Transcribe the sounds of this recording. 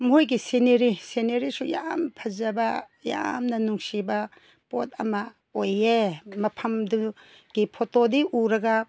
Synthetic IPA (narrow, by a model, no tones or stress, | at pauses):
mɦojɡiseneɾiseneɾisuja̰mpʰɐzɐbɐ | ja̰mnɐnuŋsibɐ | pot̚ɐ̰mɐ | ojemɐpʰɐmdu | ɡ̥ipʰotodiʔuɾɐɡɐ